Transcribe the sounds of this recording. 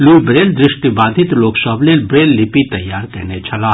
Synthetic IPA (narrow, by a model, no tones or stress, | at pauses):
luːbɾeːld̪ɾɪʃʈibãːd̪ʱɪt̪loːksəblelbɾeːlːɪpit̪ɐjːaːɾkɛ̰net͡ʃʰɐlaː